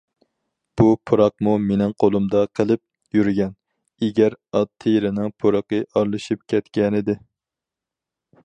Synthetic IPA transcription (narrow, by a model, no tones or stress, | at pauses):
b̥upʰuɾɑq̚mumenɪŋqʰolˠumd̪ɑqʰəlˠɨp̚ | jyɾɡʲɛn | eɡʲɛɾɑt̪ʰːɨjɾɪnɪŋpʰoɾɑqəʔɑɾlˠɨʃip̚kʲʰɛt̪kʲɛnɪd̪ɪ